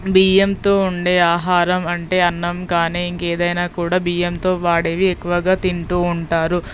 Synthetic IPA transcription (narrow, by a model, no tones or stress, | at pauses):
biːjemt̪o̞ːuɳɖe̞ːaːɦaːɾɐmɐɳʈe̞ːɐnːɐmkaːniːiŋkeːd̪ɐjnaːkuːɽaːbiːjemt̪o̞ːʋaːɽeːʋiekːuʋɐɡaːt̪iɳʈuːuɳʈaːɾu